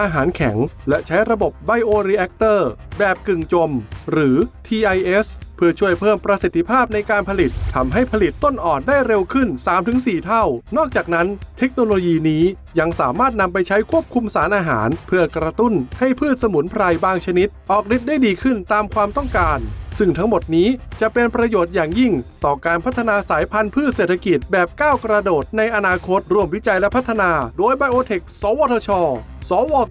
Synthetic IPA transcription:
ʔaː˧ɦaː˩˦nkʰɛ˩˦ŋlɛ˦˥t͡ɕʰa˦˥jɾa˧bo˨˩p̚ba˧jʔoː˧ɾiː˧˥ʔɛ˦˥k̚t̪ɤː˥˩bɛː˨˩p̚kɯ˨˩ŋt͡ɕo˧mɾɯː˩˦t̪ʰiː˧ʔa˧jʔe˦˥spʰɯ˥˩ɐt͡ɕʰu˥˩əjpʰɤː˥˩mpɾa˧si˨˩t̪ʰːi˧pʰaː˥˩p̚na˧jkaː˧npʰa˧li˨˩t̪ʰːa˧mɦa˥˩jpʰa˧li˨˩t̪ːo˥˩nʔɔː˨˩n̚daː˥˩jɾe˧wkʰɯ˥˩nsaː˩˦mt̪ʰɯ˨˩˦ŋsiː˨˩t̪ʰa˥˩wnɔː˥˩k̚t͡ɕaː˨˩k̚na˦˥nt̪ʰe˦˥k̚noː˧loː˧jiː˧niː˦˥ | ja˧ŋsaː˩˦maː˥˩t̪̚na˧mpa˧jt͡ɕʰa˦˥jkʰu˥˩əp̚kʰu˧msaː˩˦nʔaː˧ɦaː˩˦npʰɯ˥˩ɐkɾa˧t̪u˥˩nha˥˩jpʰɯː˥˩t̪̚sa˧mu˩˦npʰɾa˧jbaː˥˩ŋt͡ɕʰa˧ni˦˥t̪̚ʔɔː˨˩k̚di˨˦˩t̪̚da˥˩jdiː˧kʰɯ˥˩nt̪aː˧mkʰwaː˧mt̪ɔ˥˩ŋkaː˧nsɯ˥˩ŋt̪ʰa˦˥ŋmo˨˩t̪̚niː˦˥t͡ɕa˨˩pe˧npɾa˧joː˨˩t̪̚jaː˨˩ŋji˥˩ŋt̪ɔː˨˩kaː˧npʰa˦˥t̪ʰːa˧naː˧saː˩˦jpʰa˧npʰɯː˥˩t̪̚seː˨˩t̪ʰa˧ki˨˩t̪̚bɛː˨˩p̚kaː˥˩wkɾa˧doː˨˩t̪̚na˧jʔa˧naː˧kʰo˦˥t̪̚ɾu˧˩əmwi˦˥t͡ɕa˧jlɛ˦˥pʰa˦˥t̪ʰːa˧naː˧doː˧jbaː˧jʔoː˧t̪ʰe˨˩k̚sɔː˨˦wɔː˧t̪ʰɔː˧t͡ɕʰɔː˧ | sɔː˨˩˦wɔː˧

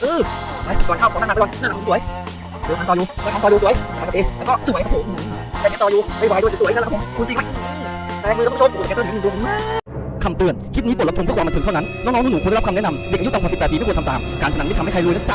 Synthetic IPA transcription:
ʔɤː˧˩wa˧˩jkɔː˧˩kʰaː˧˥˩kʰɔ˨˦naː˧ɔ˧nna˥˩a˨˧˥su˩ə˦j | d̪oː˧˩˨t̪ɔː˧juː˧˩ɔː˧˩ka˧˩tɔː˧uː˧s̬u˩˨ə˦jka˧˨˧ʔeː˧˩lɛː˦˥kɔː˥˩su˧˩˦jkʰa˦˥pʰo˨˦m˧ | a˧˩aː˧˥t̪ɔː˧juː˧ma˧˩jwaː˨˩j̪u˧ssu˧˦jʰmkʰːsi˧a˧˩˧ | t̪ɛː˧˩˧mɨ˧˥˧oː˧˦˨a˨˦˧m˧ | kʰa˧mt̪ɯ˧˩ənkʰi˦˥t̪̚iː˦˥po˨˩la˧˥t͡ɕʰo˧bɯ˥˩kwaː˧m˧t̪ʰt̪ʰːna˦˥nnɔː˦˥ŋnɔ˦˥ŋː˧˥nuː˨˩kːka˧nɛ˦˥na˧mi˨˩k̚ʔu˥t̪ːwaː˨˩spɛː˨˩pːkt̪a˧taː˨mkaː˧nt͡ɕ̪ʰa˧˨a˨˦˥i˥˩t̪ʰhkʰa˧jlu˧˩˨na˥t͡ɕa˧˥˩

